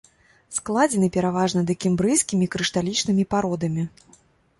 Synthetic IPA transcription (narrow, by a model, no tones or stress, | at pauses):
sklˠad͡zʲɛnɨpʲɛɾavaʐnɐd̪ɨkʲimbɾɨjskʲimʲikɾɨʂt̪alʲit͡ʂnɨmʲipaɾɔd̪ɐmʲi